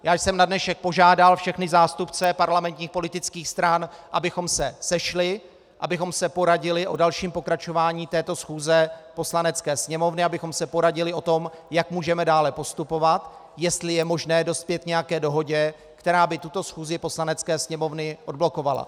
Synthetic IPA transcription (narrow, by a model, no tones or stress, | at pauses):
jaːjsɛmnadnɛʃɛk̚po̞ʒaːdalfʃɛxnɪzaːst̪upt͡sɛpaɾlamɛnt̪ɲiːxpo̞lɪt̪ɪt͡skiːxst̪ɾanʔabɪxo̞msɛsɛʃlɪ | ʔabɪxo̞msɛpo̞ɾaɟɪlɪʔo̞dalʃiːmpo̞kɾat͡ʃo̞vaːɲiːt̪ɛːt̪o̞sxuːzɛpo̞slanɛt͡skɛːsɲɛmo̞vnɪabɪxo̞msɛpo̞ɾaɟɪlɪo̞t̪o̞mjakmuːʒɛmɛdaːlɛpo̞st̪upo̞vat̪ | jɛst̪lɪjɛmo̞ʒnɛːdo̞st̪̚pjɛt̪̚ɲɛjakɛːdo̞ɦo̞ɟɛ | kt̪ɛɾaːbɪt̪ut̪o̞sxuːzɪpo̞slanɛt͡skɛːsɲɛmo̞vnɪʔo̞d̚blo̞ko̞vala̰